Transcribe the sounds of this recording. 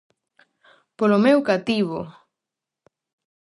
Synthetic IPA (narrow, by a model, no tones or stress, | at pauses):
polomewkat̪iβo